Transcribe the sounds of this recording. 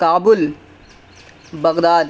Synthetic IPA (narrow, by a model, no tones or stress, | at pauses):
kaːbʊl | bɐɣd̪aːd̪